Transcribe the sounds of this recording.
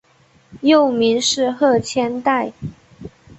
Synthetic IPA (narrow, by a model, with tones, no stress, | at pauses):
jo˥˨˩ʊmi˧˥nʂɻ̩˥˧xɤ˥˩t͡ɕʰjɛ˥nt̪a˥˧ɪ